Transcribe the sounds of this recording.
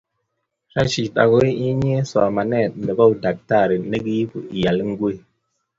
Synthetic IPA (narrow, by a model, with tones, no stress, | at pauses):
ʃa˦t͡ʃi˨ɗa̰˨ɡo˦i˦i˦ɲ˦e˦sa˨ma˨ne˦˨n˨e˨ba˦u˨da˨k̚ta˦˨ɾi˨ne˦ɡi˦pṵ˨i˨ja˨lŋ̩˦ɡwe˦˨